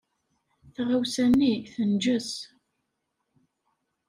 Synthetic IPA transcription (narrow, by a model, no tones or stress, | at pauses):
θʁawsænːiθənd͡ʒəs